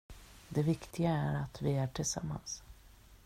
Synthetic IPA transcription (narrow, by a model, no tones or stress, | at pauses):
d̪ɛvɪkt̪ʰɪɡaæɾat̪vɪæʈʰɪlsa̰mːa̰ns